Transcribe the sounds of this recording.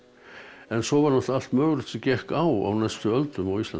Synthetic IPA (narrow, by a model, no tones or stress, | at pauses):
ɛnsɔvaɾnalt̪al̥t̪mœːɣlʏ̥t̪ɪcɛhkawa̰wnɛst̪ʏœlt̪ʏmawist̪la̰